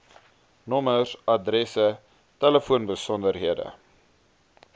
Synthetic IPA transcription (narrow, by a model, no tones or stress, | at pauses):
nɔməsɐdrɛsə | tɛləfuənbəsɔndərɦiədə̰